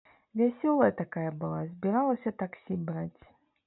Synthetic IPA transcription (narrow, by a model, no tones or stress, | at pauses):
vʲɛsʲɔlˠəjət̪akajəbɨlˠazbʲɪɾalˠəsʲət̪aksʲibɾatʲ